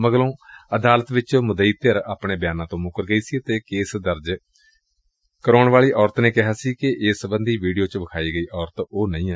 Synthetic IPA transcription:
məɡlõːəd̪aːlət̪ʋɪt͡ʃmʊd̪əiːt̪əɾaːpɳeːbjaːnãːt̪õːmʊkəɾɡəiːsiːət̪eːkeːsd̪əɾd͡ʒ | kəɾoːɳʋaːɭiːʔɔːɾt̪neːkɪɦaːsiːkɪʔɪsəbənd̪iːʋiːɖijoːt͡ʃʋəkʰaːiːɡəiːʔɔːɾət̪oːnəĩː

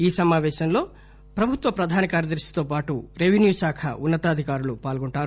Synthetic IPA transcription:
iːsɐmaːʋɛːʃɐmlo̞ː | pɾɐbʱut̪ʋɐpɾɐd̪ʱaːnɐkaːɾjɐd̪ɐɾʂi̥t̪o̞ːpaːʈuɾeʋenjuːsaːkʰɐ̰unːɐt̪aːd̪ʱikaːɾulupaːlɡoɳʈaːɾu

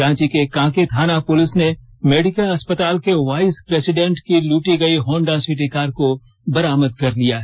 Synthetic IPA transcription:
ãːt͡ʃikekãːket̪ʰaːnapʊlɪsne | meːɖɪkəlɐspət̪aːlkeʋaːɪspɾeːsɪɖɛ̃ɳʈkiluːʈiɡɐiɦɔ̃ːɳɖasɪʈekaːɾko | bɐɾaːməd̪kɐɾlijaː

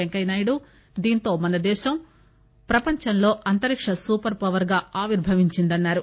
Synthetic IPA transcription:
eŋkɐjnɐːjɽu | d̪iːnt̪o̞ːmɐnɐd̪ɛːʃɐm | pɾɐpɐɲt͡ʃɐnlo̞ːʔɐnt̪ɐɾikʂɐsuːpɐɾpɐʋɐɾɡaːaːʋiɾbʱɐʋiɲt͡ʃind̪ɐnːaːɾu

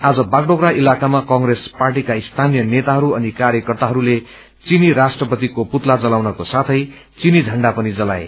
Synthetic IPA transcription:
ad͡zʌbaɡɖokɾailakamakʌŋɡresparʈikaist̪ʰanijʌnet̪aɦʌɾuʌnikaɾjʌkʌrt̪aɦʌɾule | t͡siniɾasʈrʌpʌt̪ikoput̪lad͡zʌlawnʌkosat̪ʰʌj | t͡sinid͡zʱʌɳɖapʌnid͡zʌlaḛ

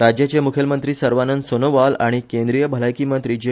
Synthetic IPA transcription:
ɾad͡ʑjat͡ɕemukʰjəlmənt̪ɾiːsəɾʋanənsonoʋalaɽ̃ikẽnd̪ɾijəbʱəlajkiːmənt̪ɾiːd͡ʑe

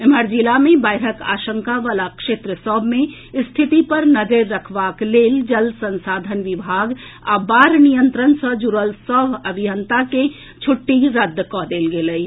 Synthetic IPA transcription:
eməɾd͡ʒilamẽbaːɪɾəka̰ːʃə̃ŋkaʋaːlakʃeːt̪ɾəsɔbʱmẽ | st̪ʰit̪ipəɾnəd̪eɾːəkʰʋaːkleːld͡ʒəlsə̃nsaːd̪ʱənʋɪbʱaːɡa̰baːɾnijənt̪ɾənsəd͡ʒuɾəlsɔːbʱəbʱijənt̪ake | t͡ʃʰʊʈːiɾəd̪ːkɔd̪eːlɡeləi

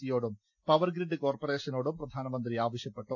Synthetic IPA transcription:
ijo̞ːɽum | pɐʋɐrɡɾiɖɨko̞ːrpɐre̞ːʂɐno̞ːɽumprɐd̪ʱaːnɐmɐnd̪riaːʋɐɕjɐpːe̞ʈːu

